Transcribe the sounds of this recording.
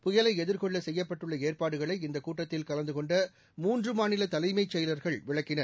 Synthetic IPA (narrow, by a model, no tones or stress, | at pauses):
pʊjɐlɐɪɛðɪɾkɔɭːɐsɛjːɐpːɐʈːɯɭːɐeːrpaːɽɯɣɐɭɐɪɪnd̪ɐkːuːʈːɐt̪ːɪlkɐlɐnd̪ɯkɔɳɖɐ | muːndrɯmaːnɪlɐt̪ɐlɐɪmɐɪt͡ʃːɛjɐlɐɾɣɐɭʋɪɭɐkːɪnɐɾ